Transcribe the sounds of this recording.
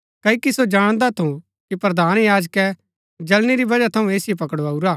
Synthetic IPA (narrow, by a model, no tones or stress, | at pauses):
kɐikisod͡ʒaːɽ̃d̪at̪ʰũ | kipɾɐd̪ʱaːnjaːd͡ʒkɛ | d͡ʒɐlniɾibɐd͡ʒat̪ʰɐũeːsɪep̬ɐkəɽaːuɾaː